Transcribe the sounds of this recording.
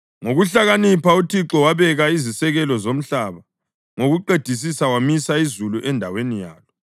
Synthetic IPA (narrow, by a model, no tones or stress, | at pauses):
ŋoɣuɬaɣanipʰautʰiǁɔwaβɛɣaizisɛɣɛlɔzom̩ɬaβa | ŋoɣuǃed̥ʱis̬isawamisaizuluʔɛndʱawenijaːlɔ